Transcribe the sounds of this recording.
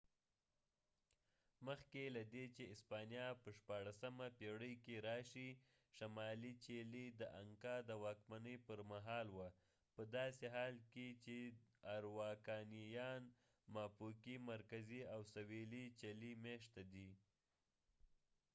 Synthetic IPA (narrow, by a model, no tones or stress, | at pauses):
məxkelad̪et͡ʃeɪspɑnijapəʃpɑɽasamapeɽəjkeɾɑʃi | ʃamɑlit͡ʃelid̪əʔaŋkɑd̪əwɑkmanəjpəɾmaɦɑlwa | pəd̪ɑseɦɑlket͡ʃeaɾwɑkɑnijɑn | mɑpukimaɾkaziawsawelit͡ʃelimeʃt̪ad̪i